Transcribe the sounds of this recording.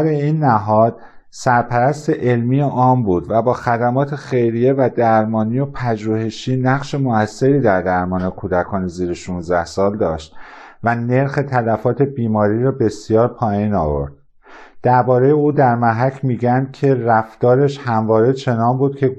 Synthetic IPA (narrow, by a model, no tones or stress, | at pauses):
ɾeiːnːæɦɒːd̪̥̚ | sæɾpʰæɾæst̪e̞ʔe̞lmiːjeʔɒːmbuːd̪væbɒːxæd̪æmɒːt̪ʰe̞xe̞jɾije̞væd̪æɾmɒːnijo̞pʰæd͡ʒuːhe̞ʃiːnæɣʃe̞moæsːe̞ɾiːd̪æɾd̪æɾmɒːnekʰuːd̪ækʰɒːneziːɾeʃuːnzd̪æhsɒːld̪ɒːʃt̪væne̞ɾxe̞t̪ʰælæfɒːt̪ʰe̞biːmɒːɾiːɾɒːbe̞sijɒːɾpʰɒːjiːnɒ̰ːvo̰ɾd̪̥ | d̪̥æɾbɒːɾe̞jeuːd̪æɾmæɦæcʰmiːɟænd̪̥̚cʰe̞ræft̪ɒːɾe̞ʃhæmvɒːɾet͡ʃʰe̞nɒːnbuːd̪̚cʰe̞